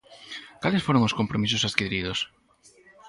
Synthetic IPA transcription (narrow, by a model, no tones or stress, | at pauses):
kalɪsfoɾoŋʊskompɾomis̬ʊsaskiðɾiðos